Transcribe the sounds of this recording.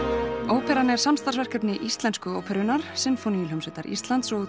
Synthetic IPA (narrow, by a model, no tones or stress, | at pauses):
oːwpʰɛɾanɛɾ̥samst̪asvɛr̥kɛpnɪʔist̪lɛnskʏowpʰɛɾʏnaɾ̥sɪnfoniilhœmsɛt̪aɾḭst̪lant̪sɔɣ